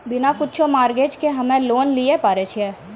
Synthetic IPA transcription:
bɪnakʊtːt͡ʃʰomaːɾɡeːd͡ʒkeɦɐmẽloːnliepaːɾet͡ʃʰie

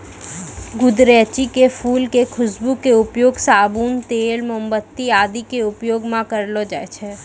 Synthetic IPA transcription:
ɡʊd̪ɾɛːt͡ʃikefʰuːlkekʰʊsbukeʊpjoːɡsaːbuːnt̪eːlməmbət̪ːiaːd̪ikeʊpjoːɡmãkəɾlod͡ʒa̰ːet͡ʃʰɛ

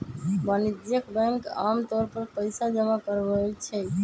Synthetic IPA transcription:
banid͡ʒ̪jəkbɛ̃ŋkamt̪ɔɾpəɾpəɪsad͡ʒəmakəɾbəlt͡ʃʰɛ

